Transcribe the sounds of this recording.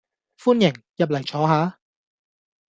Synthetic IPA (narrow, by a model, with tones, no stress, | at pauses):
fuː˥njɪ˨˩ŋ | jɐ˨p̬̚lɐ˨˩jt͡ʃʰɔː˨˥ɦaː˨˥